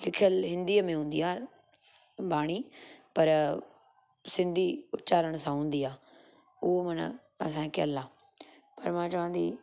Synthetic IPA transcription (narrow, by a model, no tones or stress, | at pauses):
lɪkʰjəlɦɪ̃nd̪iːmẽɦũːnd̪iaːɾ | baːɽ̃iːpɐɾ | sɪ̃nd̪ʱiːʊtːt͡ʃaːɾəɽ̃sãɦũːnd̪iːaː | ʊɦomɐn̰ | ɐsãːkəlːãː | pɐɾmãːt͡ʃɐʋãːnd̪ḭː